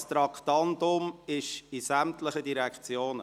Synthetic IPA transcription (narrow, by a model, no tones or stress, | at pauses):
st̪ɾɑkt̪ɑnd̪ʊmɪʃisæmtlɪχədiɾɛkʰt͡sjoːnə